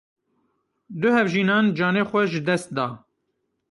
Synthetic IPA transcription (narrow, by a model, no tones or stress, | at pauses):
d̪ʊhɛvʒiːnɑːnd͡ʒɑːneːxʷɛʒɨd̪ɛst̪̚d̪ɑː